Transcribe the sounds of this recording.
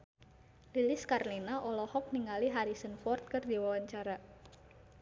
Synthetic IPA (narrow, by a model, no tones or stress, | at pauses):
lilɪskarlinaʔɔlɔhɔk̚niŋaliɦaɾisənfɔrt̪̚kərdiwawaɲt͡ʃaɾa